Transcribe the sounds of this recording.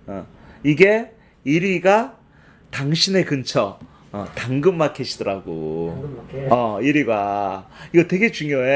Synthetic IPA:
ʌiɡe̞ | iɾiɡa | taŋɕʰine̞kɯnt͡ɕʰʌ | ʌtaŋɡɯmːakʰeɕʰidʌɾaɡo | ʌiɾiɡaiɡʌtwe̞ɡe̞t͡ɕuŋjoe

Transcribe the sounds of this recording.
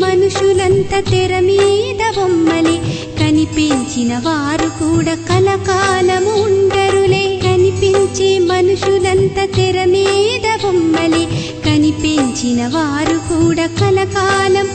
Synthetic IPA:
mɐnuʂulɐnt̪ɐt̪ɛɾɐmiːd̪ɐʋomːɐle | kɐnipeɲt͡ʃinɐʋaːɾukuːɽaːkɐlɐkaːlɐmːɳɖɐɾuleːkɐnipeɲt͡ʃeːmɐnuʂulɐnt̪ɐt̪ɛɾɐmiːd̪ɐʋomːɐle | kɐnipeɲt͡ʃinɐʋaːɾukuːɽaːkɐlɐkaːlɐm

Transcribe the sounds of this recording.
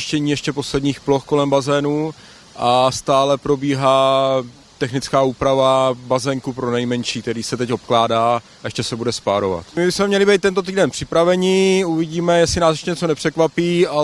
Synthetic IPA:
ʃcɛɲiːjɛʃcɛpo̞slɛdɲiːxplo̞xko̞lɛmbazɛːnuː | ʔast̪aːlɛpɾo̞biːɦaː | t̪ɛxnɪt͡skaːuːpɾavabazɛŋkupɾo̞nɛjmɛnʃiːk̚t̪ɛɾiːsɛt̪ɛcopklaːdaː | ɛʃcɛsɛbudɛspaːɾova̰t̪mɪbɪsmɛmɲɛlɪbɛjt̪ːɛnt̪̬o̞t̪̬iːdɛnpr̥ɪpɾavɛɲɪuvɪɟiːmɛjɛslɪnaːsjʃɛɲɛt͡so̞nɛpr̥ɛkvapiːa

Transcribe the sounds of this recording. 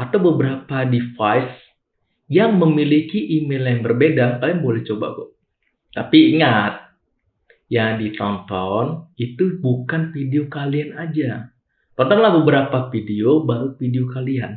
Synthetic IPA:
at̪awbəbəɾapadifajs | jaŋməmilikiʔimeljaŋbərbedakaliaŋbolɛht͡ʃoba̰ɡɔ̰ | t̪apiːŋat̪̚ | jadit̪ɔnt̪ɔnit̪ubukanfideokalianad͡ʒa | t̪ɔnt̪ɔnlahbəbəɾapafideobaɾufideokalian

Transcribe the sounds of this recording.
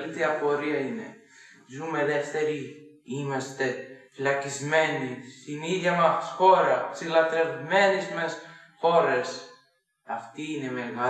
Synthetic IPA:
lit̪iɐpo̞ɾiɐine̞ | zume̞ðe̞ft̪e̞ɾi | imɐst̪e̞filɐcizme̞nist̪iniðʝjɐmɐsxo̞ɾɐksilɐt̪ɾe̞vme̞nismes | xo̞ɾes | ɐft̪iːne̞me̞ɣɐ

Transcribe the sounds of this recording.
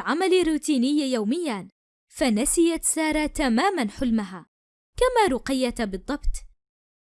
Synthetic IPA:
ʕamalɪrːuːt̪iːnɪjːjawmɪjːan | fanasɪjat̪sɑːɾˤɑːt̪amaːmanħʊlmaɦaː | kamaːɾʊqɪjːat̪bɨd̪ˤːɑbt̪ˤ

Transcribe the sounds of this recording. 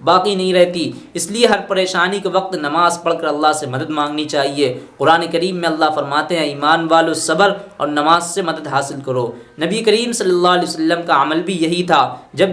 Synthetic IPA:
baːqinɐɦĩɾɛɦt̪i | ɪslieɦɐɾpɐɾeːʃaːnikeʋɐq̚t̪nɐmaːzpɐɽ̤kɐɾɐlːaɦsemɐd̪əd̪mãːŋɡnit͡ʃaːɦieqʊɾaːnekɐɾiːmːẽɐlːaɦfɐɾmaːt̪eɦɛ̃iːmaːnʋaːlosɐbəɾɔ̰ːɾnɐmaːzsemɐd̪əd̪ɦaːsɪlkɐɾoːnɐbiekɐɾiːmsɐlːɐlːaːɐlɛːsɐlːəmkaɐməlbʱijɐɦit̪ʰaːd͡ʒɐb

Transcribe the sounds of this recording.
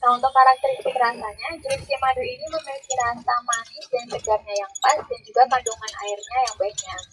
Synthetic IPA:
kaunt̪ʊkaɾak̚t̪əɾispikəɾasaɲad͡ʒɾist̪imaduiniməməkiɾat̪amanidansəɡarɲajaŋbasdand͡ʒuɡapadoŋana̰ɪrɲajaŋbaɪk̚ɲak̚

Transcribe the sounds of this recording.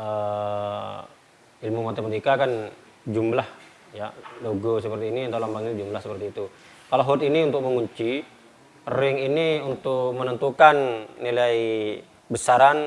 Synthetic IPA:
ə | ilmumat̪emat̪ikakan | d͡ʒumblah | jaloɡɔsəpərt̪iːnint̪awlambaŋind͡ʒumblahsəpərt̪iːt̪u | kalaɦut̪iniunt̪ʊk̚məŋuɲt͡ʃi | rɪŋiniunt̪ʊk̚mənənt̪ukanːilai | bəsaɾan

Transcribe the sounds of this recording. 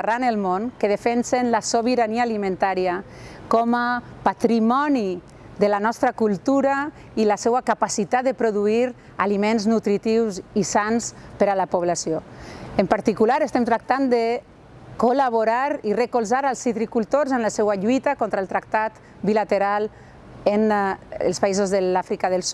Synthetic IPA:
ranelˠmonkeðefɛnsenlasoβiɾaniaːlimẽnt̪aɾiakɔmapat̪ɾimɔni | ðəlanɔst̪ɾakulˠt̪uɾa | ilasɛwakapasit̪at̪d̪epɾoðuiɾ | alimenznut̪ɾit̪iwzisanspəɾalapoβ̞lasioempaɾt̪ikulaɾest̪ɛmt̪ɾak̚t̪and̪e | kolaβ̞oɾaɾirekolzaɾalˠsit̪ɾikulˠt̪oɾzənlasɛwaʎuit̪akɔnt̪ɾalˠt̪ɾak̚t̪at̪ | bilat̪eɾal | enḛlˠspaizozðəlafɾikaðəlsu

